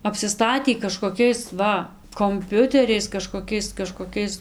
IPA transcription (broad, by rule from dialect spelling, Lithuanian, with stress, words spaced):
ɐpʲsʲɪˈstɑːtʲiː kɐʃkoːˈkʲɛɪs ˈʋɐ koːmʲˈpʲʊtʲɛrʲɛɪs kɐʃkoːˈkʲɛɪs kɐʃkoːˈkʲɛɪs